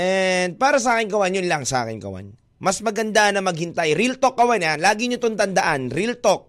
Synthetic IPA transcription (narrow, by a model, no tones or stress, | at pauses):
ʔɛnd̪̚paːɾɐsɐʔaːkɪnɡɐwanjʊnlɐŋsɐʔa̰ːkɪnɡɐ̰wa̰n | mɐsmɐɡɐnd̪anɐmɐɡ̚hɪnt̪ajɾilt̪ok̚ːɐwananlaːɡɪɲot̪ont̪ɐnd̪ɐʔanɾilt̪ok̚